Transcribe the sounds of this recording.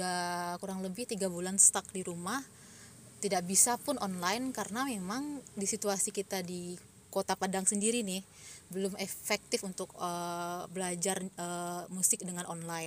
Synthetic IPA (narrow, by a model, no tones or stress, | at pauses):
akuɾaŋləbɪht̪iɡabulanst̪ak̚diɾumah | t̪idaʔbisapʊnɔnlajnkaɾənamemaŋdisit̪uasikit̪adi | kot̪apadaŋsəndiɾinɪh | bəlʊmefɛk̚t̪ɪfunt̪ʊk̚əbəlad͡ʒarəmusɪk̚dəŋanɔnlajn